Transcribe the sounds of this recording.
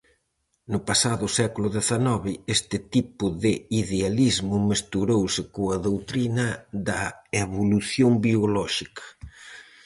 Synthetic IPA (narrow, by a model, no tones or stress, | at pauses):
nʊpasaðʊsɛkulʊðeθanɔβɪest̪ɪt̪ipʊðɪiðealizmʊmest̪uɾowsɪkoɐðowt̪ɾinɐðɐeβoluθjoŋbiolɔʃikɐ̥